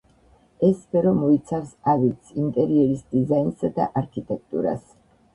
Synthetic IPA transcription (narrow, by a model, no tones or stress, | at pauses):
ɛsːpʰɛɾɔmɔit̪sʰavsavit̪sʰint̪ʼɛɾiɛɾisd̪izajnsad̪a̰ʔaɾkʰit̪ʼɛk̚ʰt̪ʼṵɾa̰s